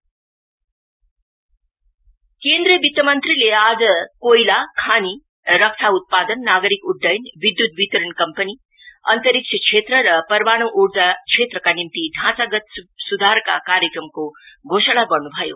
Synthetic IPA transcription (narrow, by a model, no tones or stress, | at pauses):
kend̪rijʌbit̪jʌmʌnt̪rilead͡zʌkojlakʰani | ɾʌk̚t̪ʰaut̪̚pad̪ʌnːaɡʌɾikuɖːʌjnbid̪jut̪̚bit̪ʌɾʌnkʌmpəni | ʌ̰nt̪ʌɾik̚t͡ʃʰʌkʰet̪rʌɾʌpʌrbaɽ̃owʔuɽd͡zat͡sʰet̪rʌkanimt̪iɖʱãt͡saɡʌt̪sud̪ʱaɾka̰kaɾjekrʌmkoɡʱosaɽabʌrnubʱʌjo̰